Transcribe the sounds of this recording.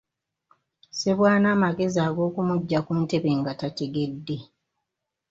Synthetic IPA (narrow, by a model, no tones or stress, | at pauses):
se̞βwaːnaːmaɡe̞ziaːɡo̞ːkumuɟːakunte̞βe̞ŋɡatate̞ɡe̞dːe̞